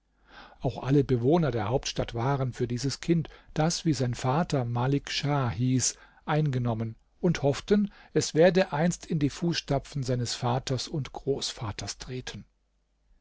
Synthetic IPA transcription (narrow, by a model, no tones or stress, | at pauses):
ʔaʊxʔaləbəvoːnɐdeːɐhaʊp̚tʃtatv̥aːʁənfyːɐdiːzəskʰɪntd̥asv̥iːzaɪnfaːtʰɐmalɪkʃahiːs | ʔaɪnɡənɔmən | ʔʊnthɔftənʔɛsv̥eːɐdəʔaɪnstʰɪndiːfuːsʃtapp͡fn̩zaɪnəsfaːtʰɐsʊntɡ̥ʁoːsfaːtʰɐstʁ̥eːtʰən̩